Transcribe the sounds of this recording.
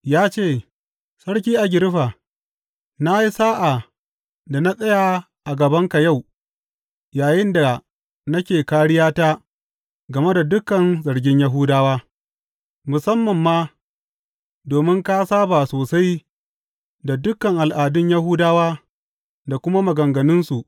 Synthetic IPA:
jaː˦t͡ʃeː˦˨ | sɐ˦ɽk̬ʲiː˦ʔa˨ɡʲɪ˨ɾɸaː˨ | na˦ji˦saː˦ʔa˨ | da˨na˦sʼɐ˦ja˨ | ʔa˨ɡɐ˨bɐ˦ŋka˨ja˦˨w | jaː˨jɪ˦nda˨ | nɐ˦kʲeː˨kaː˦ɽɪ˦jaː˦taː˦ | ɡɐ˨me˦da˨dʊ˦kɐ˨nzɐ˨ɽɡʲɪ˦ɲjɐ˦ɦʊ˦daː˦waː˦ | mʊ˨sɐ˦mːɐ˨mːaː˦ | doː˨mɪ˦ŋka˦saː˦baː˨soː˨sa˦j | da˨dʊ˦kːɐ˨ŋʔa˨lʔaː˨dʊ˦ɲja˦ɦʊ˦daː˦waː˦ | da˨kʷʊ˦ma˦mɐ˨ɡɐ˨ŋɡɐ˨nɪ˦nsu˨ʔ

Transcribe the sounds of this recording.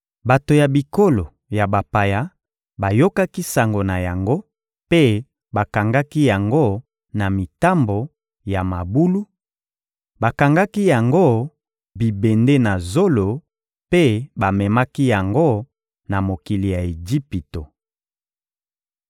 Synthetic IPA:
ba˨to˨ja˨bi˨ko˦lo˨ | ja˨ba˨pa˨ja˦ | ba˨jo˦ka˦ki˦sa˨ŋɡo˨na˨ja˨ŋɡo˦ | pe˦ | ba˨ka˨ŋɡa˦ki˦ja˨ŋɡo˦ | na˨mi˨ta˦mbo˨ | ja˨ma˨bu˦lu˦ | ba˨ka˨ŋɡa˦ki˦ja˨ŋɡo˦ | bi˨be˨nde˦na˨zo˦lo˨ | pe˦ba˨mɛ˨ma˦ki˦ja˨ŋɡo˦ | na˨mo˨ki˨li˨ja˨e˨d͡ʒi˦pi˨to˨

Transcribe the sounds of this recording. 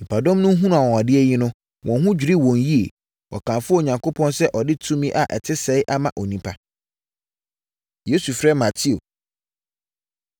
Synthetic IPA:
m̩˨pʰa˨dɔ̃˦mnʊ̃˦ɦũ˦n˨a˨wɔ̃˨ɔ˨dɪ˦ɛ˦ji˦nʊ̃˦ | wʔɔ̃˨nɦʊ̃˦d͡ʑᶣi˨ɾi˦wɔ̃˨nji˦e˨ | ɔ̰˨kʰã˨mfʊ˦˨ɲã˨ŋkʰo˦pʰɔ̃˦nsɛ˦ʔɔ˨dɪ˦tʰũ˦mĩ˦ʔa˨ʔɛ˨tʰɪ˦sɛ˨˦ɪ˦ʔa˦mã̰˨ʔo˨nĩ˦pʰa˨ | je˦su˨fɾɛ˦mã˨tʰɪ˦o˨

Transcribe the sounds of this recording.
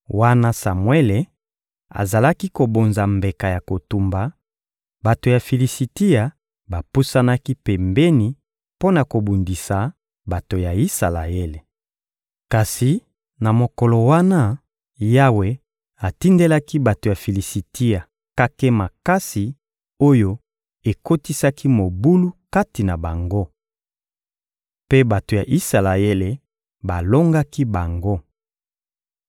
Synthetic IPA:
wa˦na˦sa˨mwe˦le˨ | a̰˨za˨la˦ki˦ko˨bo˨nza˨mbe˨ka˨ja˨ko˨tu˨mba˨ | ba˨to˨ja˨fi˨li˨si˨ti˦a˨ | ba˨pu˦sa˦na˦ki˦pɛ˨mbɛ˦ni˨˦ | po˦na˨ko˨bu˨ndi˨sa˨ | ba˨to˨ja˨i˦sa˨la̰˨e˦le˨ | ka˨si˨ | na˨mo˨ko˨lo˨wa˦na˦ | ja˦we˨ | a˨ti˦nde˦la˦ki˦ba˨to˨ja˨fi˨li˨si˨ti˦a˨ | ka˦ke˦ma˨ka˦si˨ | o˦jo˦ | e˨ko˦ti˦sa˦ki˦mo˨bu˦lu˦ka˦ti˨na˨ba˨ŋɡo˦ | pe˦ba˨to˨ja˨ʔi˦sa˨la˨e˦le˨ | ba˨lo˦ŋɡa˦ki˦ba˨ŋɡo˦

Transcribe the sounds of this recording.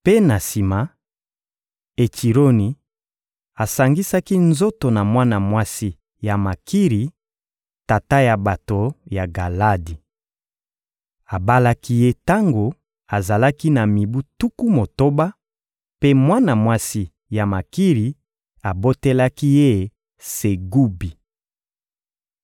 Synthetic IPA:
pe˦na˨si˨ma˨˦ | e˨ti˨ɾo˦ni˨ | a˨sa˨ŋɡi˦sa˦ki˦nzo˦to˨na˨mwa˦na˨mwa˦si˦ | ja˨ma˨ki˦ʁi˨˦ | ta˨ta˦ja˨ba˨to˨ja˨ɡa˨la˦di˨ | a˨ba˦la˦ki˦je˦ta˦ŋɡo˨ | a˨za˨la˦ki˦na˨mi˨bu˦tu˦ku˦mo˨to˦ba˦ | pe˦mwa˦na˨mwa˦si˦ | ja˨ma˨ki˦ʁi˨ | a˨bo˦te˦la˦ki˦je˦ | se˨ɡu˦bi˨

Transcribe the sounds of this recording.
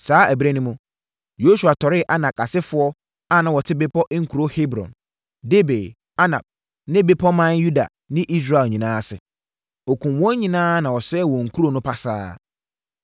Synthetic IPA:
saː˨˦ʔæ˨bɾæ˦nĩ˦mũ˨ | jo˦su˨a˨tʰɔ˨ɾɪ˦˨ʔa˦nã˨ka˨sɪ˦fʊ˦ɔ˦ | a˨nã˨wɔ˨tʰɪ˦be˦pʰɔ˦ʔŋ̩˦kʰu˨ɾo˦he˦bɾɔ̰̃˨n | de˦be˨ | a˦nã̰˨b̚ | nɪ̃˦be˦pʰɔ˦mã˦nju˦da̰˨ | nɪ̃˦ʔi˦s̬ɾa˦˨ɲĩ˨nãː˦sɪ˨ | ɔ˨kʰũ˨mwɔ̃˦ɲ˦ɲĩ˨nãː˦nã˨wɔ˨sɛː˦˨wɔ̃˨ŋ̩˨kʰu˦ɾo˨nʊ̃˦pʰa˨sa̰ː˦

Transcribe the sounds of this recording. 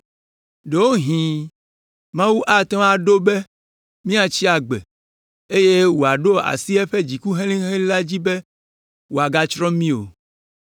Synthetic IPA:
ɖe˨wo˦ɦĩ˨ | mã˦wu˦ʔa˦t̪ɔ̃˦a˨ɖo˦be˦ | mĩ˦a˨t͡ɕi˦a˨ɡ͡bḛ˨ | e˦je˦wo˨a˨ɖo˦a̰˨si˦ɛ˦ɸe˦d͡ʑi˨ku˦ɦẽ˦lĩ˦ɦẽ˦la˦d͡ʑi˦be˦ | wo˨a˨ɡa˦t͡ʃɾɔ̃˦mĩ˦o̰˨

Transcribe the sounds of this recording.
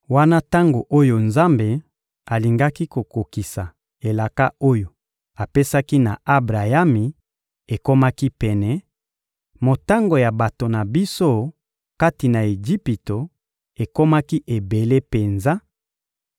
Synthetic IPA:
wa˦na˦ta˦ŋɡo˨ʔo˦jo˨nza˦mbe˨ | a˨li˨ŋɡa˦ki˦ko˨ko˨ki˨sa˨ | e˨la˨ka˦o˦jo˨ | a˨pe˦sa˦ki˦na̰˨a˦bʁa˨ja˦mi˨ | e˨ko˦ma˦ki˦pɛ˨nɛ˨ | mo˨ta˦ŋɡo˨ja˨ba˨to˨na˨bi˦so˦ | ka˦ti˨na˨e˨ʒi˦pi˨to˨ | e˨ko˦ma˦ki˦ʔe˨be˨le˦pe˨nza˦

